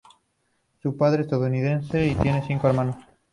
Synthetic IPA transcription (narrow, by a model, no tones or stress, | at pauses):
supaðɾeːst̪aðouniðẽnseit̪je̞neθiŋkoalmãno